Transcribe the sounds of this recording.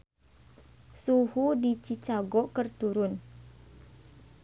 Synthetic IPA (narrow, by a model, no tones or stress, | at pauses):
suhudit͡ʃit͡ʃaɡɔkərt̪uɾʊn